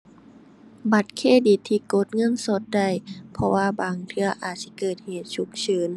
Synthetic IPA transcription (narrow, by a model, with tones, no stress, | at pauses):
ba˧˦t̪̚kʰeː˧˥˨di˨˩t̪ʰːiː˧ko˧˦t̪̚ŋɤ˧˥˨nso˧˦t̪̚da˧˩jpʰɔ˧waː˧baː˨˩ŋt̪ʰɯ˧ɐʔaː˨˩t̪̚si˧˦kɤː˨˩t̪̚heː˨˩t̪̚su˧˦k̚sɤː˨˦n